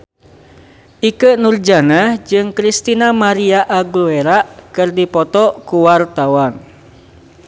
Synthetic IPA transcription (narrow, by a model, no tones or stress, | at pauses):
ʔikənurd͡ʒanad͡ʒɨŋkɾist̪inamaɾiaʔaɡlueɾaʔkɨrdipɔt̪ɔkuwart̪awan